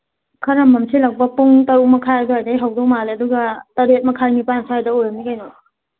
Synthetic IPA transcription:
kʰɐɾɐmːɐmsʰilɐk̚bɐpuŋtɐɾumɐkʰajajdoɦajdɐjɦɐwdok̚maleɐduɡɐtɐɾet̚mɐkʰajnipansʰahajdɐojɾɐmnikajnɔ

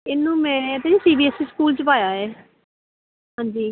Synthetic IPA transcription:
ɪnːũːmɛ̃ːt̪eĩːsiːbiːɛːsiːskuːlt͡ʃəpaːjaːɦɛː | ɦãːɲd͡ʒiː

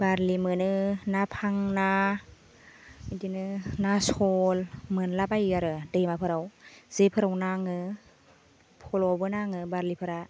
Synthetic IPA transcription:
baɾlimɯnɯnapʰaŋna | dinɯnasɔlmɯnlabajɡaɾɯdɯjmapʰɯɾawz̥epʰɯɾawnaŋɯ | pʰɔlɔbɯnaŋɯbaɾlipʰɯɾa

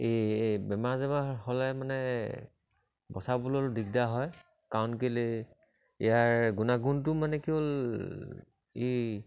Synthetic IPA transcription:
ebɛmaɹzɛmahɔlɛmanɛ | bɔsabulɔldik̚daɦɔj | kaɔnkele | ḭjaɹɡunaɡuntʊmanɛkiol | e

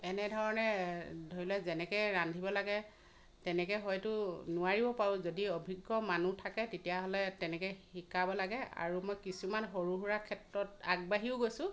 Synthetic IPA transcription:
ɛnɛdʱɔɹɔnɛdʱoɹilɛzɛnɛkɔjɹandʱibɔlaɡɛ | tɛnɛkɛɦɔjtʊnʊaɹibɔpaɹʊ̃zodiɔbʱiɡːɔmanutʰakɛtetijaɦɔlɛtɛnɛkɔjikabɔlaɡɛa̰ɹumɔjkisumanxoɹuɦuɹakʰɛtɹɔtaɡ̚baɦiʊɡojsʊ̃

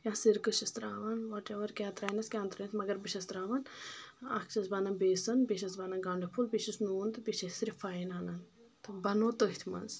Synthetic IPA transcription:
jãːsiɾkɨʃɐst̪ɾaːʋɐnʋɔʈeʋɐɾkʲãːt̪ɾaːjnɐskʲãːnt̪ɾɐnt̪mɐɡɐɾbiʃɐst̪ɾaːʋɐnɐ̰kt͡ʃɐsbaːnɐbeːsɐnbiʃɐsbanɐɡɐɳɖipʰulbiʃɐsnuːnd̪biʃɐsɾifaːinaːnɐn | t̪bɐnoːt̪oɦit̪ʰmɐ̰nz

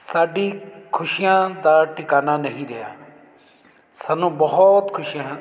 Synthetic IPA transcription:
saːɖiːkʰʊʃijãd̪aːʈɪkaːnanəɦĩɾeja̰ː | sanũːbɐɦɔt̪kʰʊʃijãɦ

